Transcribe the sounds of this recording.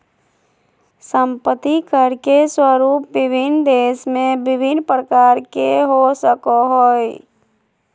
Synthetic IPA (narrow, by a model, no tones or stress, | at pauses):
səmpət̪ikəɾkeswəɾuːp̚bɪbʱɪnd̪eːsmẽbɪbʱɪnpɾəkaːɾkeɦosəkoɦoːj